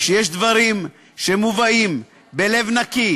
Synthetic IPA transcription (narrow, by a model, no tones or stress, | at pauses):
ʃejeʃd̪vaʁim | ʃemuvaim | be̞le̞vnaki